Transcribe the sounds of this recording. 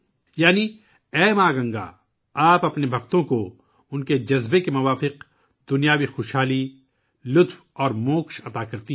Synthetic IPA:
jaːni | ɛːmaːɡɐ̃ŋɡa̰ | aːpɐpnebʱɐkt̪õko | ʊnked͡ʒɐzbekemʊʋaːfɪq | d̪ʊnijaːʋixʊːʃɦaːli | lʊt̪w | ɔːɾmoːkʃɐt̪aːkɐɾt̪i

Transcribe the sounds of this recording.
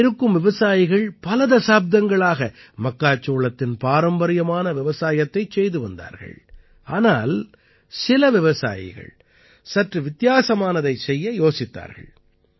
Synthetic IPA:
ɪɾɯkːɯmʋɪʋɐsaːjɪɣɐɭpɐlɐðɐsaːb̚d̪ɐŋɡɐɭaːɣɐ | mɐkːaːt͡ʃːoːɭɐt̪ːɪnpaːɾɐmbɐɾɪjɐmaːnɐʋɪʋɐsaːjɐt̪ːɐɪt͡ʃːɛjðɯʋɐnd̪a̰ːɾɣɐ̰ɭ | ʔaːnaːl | sɪlɐʋɪʋɐsa̰ːjɪ̰ɣɐ̰ɭ | sɐʈrɯʋɪt̪ɪjaːsɐmaːnɐðɐɪsɛjːɐjoːsɪt̪ːa̰ːɾɣɐ̰ɭ

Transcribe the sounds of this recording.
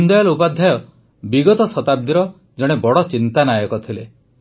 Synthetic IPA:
und̪ɔjɔlɔupad̪ʱjajɔ | biɡɔt̪ɔsɔt̪ab̚d̪iɾɔ | d͡ʒɔɽ̃ebɔɽɔt͡ʃint̪anajɔkɔt̪ʰile

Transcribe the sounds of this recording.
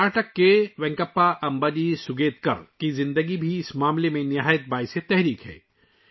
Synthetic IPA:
aːʈəkːeʋɛ̃ŋkəpːaʔɐmbəd͡ʒisʊɡeːt̪kɐ̰ɾkizɪ̃nd̪əɡibʱiɪsmaːmlemẽnɪɦaːjət̪̚baːɪset̪ɛɦɾiːkɦɛ̰ː

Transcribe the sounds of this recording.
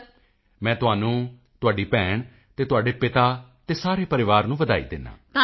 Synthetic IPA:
mɛ̃ːt̪ʊɦaːnũː | t̪ʊaːɖiːpɛ̃ːɳ | t̪eːt̪ʊaːɖeːpɪt̪aːt̪eːsaːɾeːpəɾɪʋaːɾnũːʋəd̪a̰ːḭːd̪ɪnːã̰ː

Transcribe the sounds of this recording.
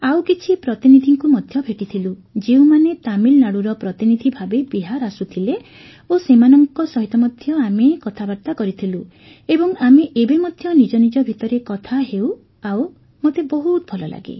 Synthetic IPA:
awkit͡ʃʰipɾɔt̪inid̪ʱiŋkumɔd̪ʱjɔbʱeʈit̪ʰilud͡ʒewmanet̪amilnaɽuɾɔpɾɔt̪inid̪ʱibʱabebiɦaɾasut̪ʰile | osemanɔŋkɔsɔɦit̪ɔmɔd̪ʱjɔamekɔt̪ʰabaɾt̪akɔɾit̪ʰilu | ebɔŋameʔebemɔd̪ʱjɔnid͡ʒɔnid͡ʒɔbʱit̪ɔɾekɔt̪ʰaɦew | aw | mot̪ebɔɦut̪ɔbʱɔlɔla̰ɡḛ

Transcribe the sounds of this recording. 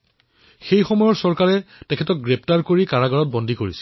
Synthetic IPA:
xejxɔmɔjɔɹsɔɹkaɹɛtɛkʰɛtɔk̚ɡɹɛp̚ʰtaɹkoɹikaɹaɡɔɹɔt̚bɔndʱikoɹisɛ̥

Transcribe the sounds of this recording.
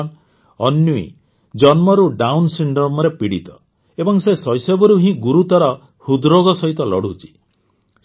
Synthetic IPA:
n | ɔnjuḭ | d͡ʒɔnmɔɾuɖawnsiɳɖɾɔmɔɾepiɽit̪ɔ | ebɔŋsesɔjsebɔɾuɦĩɡuɾut̪ɔɾɔ | hud̪ɾoɡɔsɔɦit̪ɔlɔɽ̤ut͡ʃʰi̥

